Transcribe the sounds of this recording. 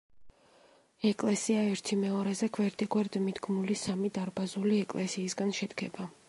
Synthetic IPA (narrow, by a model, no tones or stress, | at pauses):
ɛkʼlɛsiaɛɾt̪ʰimɛɔɾɛzɛkʰvɛɾd̪ʼɛkʼwɛɾd̪mid̪ɡmulisamid̪aɾbazuliɛkʼlɛsiːsɡanʃɛd̪ɡɛba